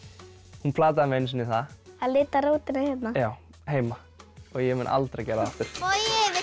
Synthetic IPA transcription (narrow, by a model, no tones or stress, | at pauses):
hunpʰlaːt̪̬aðmɪejns̬ɪnːɪθaaðlɪːt̪aɾoːwt̪ɪnahjɛt̪najaːw | heːjma | ɔɣjɛmɛnʔa̰lt̪ɾacɛːɾaðaft̪ɪɾ̥ɛ